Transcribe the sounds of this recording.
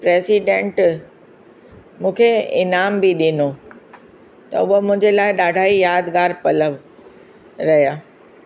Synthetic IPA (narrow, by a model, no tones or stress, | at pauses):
pɾeːsiɖẽːɳʈ | mũːkʰeɪnaːmbiɗɪno | t̪ɐ̰uəmʊ̃ɦɪ̃ɲd͡ʑelaːɪɗaːɖʱaːijaːd̪ɡaːɾpɐləʋ | ɾɐɦijaː